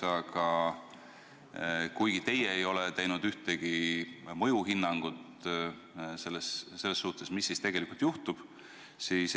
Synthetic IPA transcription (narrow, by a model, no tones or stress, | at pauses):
ɑkɑ | kujɡ̥it̪e̞jeejo̞let̪ejnud̪̥yht̪eɡ̥imɤ̞juɦinːɑŋɡ̥ut̪ | se̞lːesːe̞lːesːuht̪e̞smisːist̪e̞ɡ̥elikˑult̪juht̪ub̥ | siːs